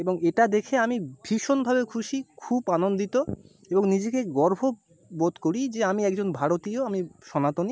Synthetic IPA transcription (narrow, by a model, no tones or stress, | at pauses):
eboŋeʈad̪ekʰeamibʱiʃonbʱabekʰuʃikʰubanond̪it̪o | eboŋnid͡ʑekeɡɔɾbʱo | bod̪koɾid͡ʑeamiɛkd͡ʑonbʱaɽot̪ioamiʃɔnat̪oni